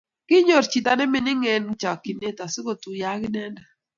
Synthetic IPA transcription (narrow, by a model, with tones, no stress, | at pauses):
kɪ˦ɲo˨ɾt͡ʃi˨ta˨˦nɛ˦mɪ˦nɪ˦ŋɛ˨nt͡ʃa˨ki˨ne˦ta˨sɪ˦ko˨tu˨ja˦kɪ˦nɛ˦na˨